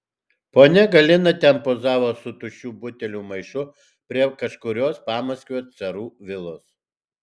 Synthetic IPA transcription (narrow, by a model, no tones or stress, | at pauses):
poːnʲɛɡɐlʲɪnɐt̪ʲɛnpoːzɑːʋoːsʊt̪ʊʃʲuːbʊt̪ʲɛlʲuːmɐɪʃʊ | pʲɾʲiɛkɐʃkʊɾʲoːspɑːmɐsʲkʲoːt̪sʲɛɾuːʋʲɪlˠoːs